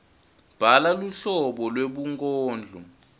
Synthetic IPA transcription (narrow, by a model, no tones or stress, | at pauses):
b̥ʱalaluɬɔɓɔlweɓuŋkʼɔːnd͡ɮʱɔ